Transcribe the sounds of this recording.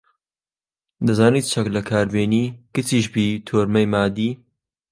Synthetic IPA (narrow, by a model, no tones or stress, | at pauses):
d̪ɐzaːniːt̪̚t͡ʃʰɐklɐkʰaːɾbeːniːkɨt͡siːʃbiːt̪ʰoːɾmɐjmaːd̪iː